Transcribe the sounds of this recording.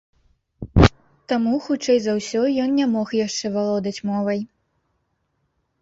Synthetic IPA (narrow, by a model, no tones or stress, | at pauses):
t̪amuxut͡ʂɛjzawsʲɔjɔnnʲamɔxjaʂt͡ʂɛvalˠɔd̪ɐt͡sʲmɔvɐj